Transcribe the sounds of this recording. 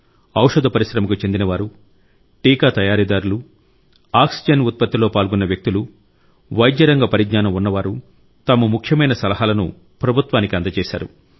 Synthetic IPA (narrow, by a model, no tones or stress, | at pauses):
ɐwʂɐd̪ʱɐpɐɾisɾɐmɐkut͡ʃend̪inɐʋaːɾu | ʈiːkaːt̪ɐjaːɾid̪aːɾulu | aːksid͡ʒɐnut̪̚pɐt̪ːiloːpaːlɡunːɐʋjɐk̚t̪ilu | ʋɐjd̪jɐɾɐŋɡɐpɐɾiɡɲaːnɐmunːɐʋaːɾu | t̪ɐmɐmukʰjɐmɐjnɐsɐlɐɦaːlɐnṵ | pɾɐbʱut̪ʋaːnikiɐnd̪ɐt͡ʃɛːʃa̰ːɾṵ